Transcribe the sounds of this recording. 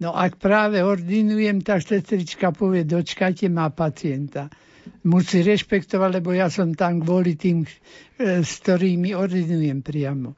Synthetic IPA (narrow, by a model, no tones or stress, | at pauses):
nɔʔakpɾaːʋɛɔɾd̪inujɛmt̪aksɛst̪ɾit͡ʃkapɔʋɪɛd̪ɔt͡ʃkajcɛmapat͡sɪɛnt̪a | musiɾɛʃpɛkt̪ɔʋalɛbɔjasɔmt̪amɡʋʊɔlit̪iːm | st̪ɔɾiːmiɔɾd̪inujɛmpɾɪamɔ